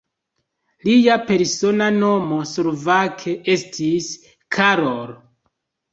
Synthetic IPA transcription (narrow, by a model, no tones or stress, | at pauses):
lijape̞ɾso̞nano̞mo̞suɾvakʰeʔe̞stʰis | kʰaɾol